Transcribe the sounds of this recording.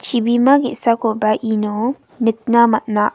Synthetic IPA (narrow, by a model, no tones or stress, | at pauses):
t͡ʃibimãɡiʔsakobaʔino | nɪk̚namat̪naʔ